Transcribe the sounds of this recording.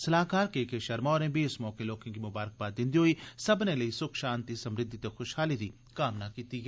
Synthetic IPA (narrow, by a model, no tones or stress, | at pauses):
sɐlaːkaːɾkeːkeʃɐɾmaːɾẽbʱiɪsmɔːkeloːkɪ̃kimʊbaːɾək̚baːt̪d̪ɪ̃nd̪iɦoisɐbnelɐisʊkʰʃaːnt̪isɐmɾɪd̪ʱːit̪exʊʃhaːlid̪i | kaːmnakiːt̪iɦɛ